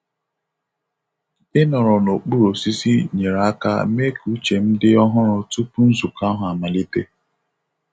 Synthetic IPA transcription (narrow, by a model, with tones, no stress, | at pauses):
ɪ˦nɔ˨ɾɔ˨no˨k͡pu˦ɾo˨si˦si˦ɲe˨ɾa˨a˦ka̰˦me˦ku˦t͡ʃe˨m̩˦dɪ˦ɔ˦ɦʊ˦ɾʊ˦tu˦pu˦n̩˦zu˨ka˦ɦʊ˨a˨ma˨li˦te˦